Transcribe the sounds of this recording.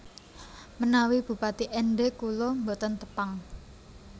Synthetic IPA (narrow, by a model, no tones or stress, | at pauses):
mənawib̥ṳpat̪iʔɛnɖeʔkulombot̪ənt̪ə̥paŋ